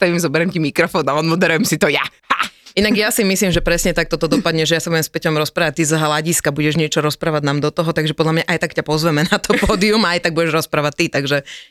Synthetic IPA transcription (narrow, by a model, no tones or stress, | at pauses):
t̪aimzɔbɛɾɛmcimikɾɔfɔːnalɔnmɔd̪ɛɾujɛmsit̪ɔjahainaɡjasimislimʒɛpɾɛsɲɛt̪ak̚t̪ɔt̪ɔd̪ɔpad̪ɲɛʒɛjasabuɟɛmspɛcɔmɾɔspɾaːʋac̚t̪izɦlaɟiskabuɟɛʒɲɪɛt͡ʃɔɾɔspɾaːʋaɟnamd̪ɔt̪ɔɦɔt̪aɡʒɛpɔd̪lamɲaʔajt̪akcapɔzʋɛmɛnat̪ɔpɔːd̪iumaːjt̪aɡ̚buɟɛʒɾɔspɾaːʋat̚t̪it̪aɡʒɛ